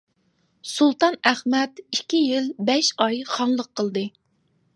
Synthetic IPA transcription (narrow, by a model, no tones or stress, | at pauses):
sulˠt̪ɑnæχmɛt̪ikʲːijilbɛʃɑjχɑŋlˠəqʰːəlˠd̪ɨ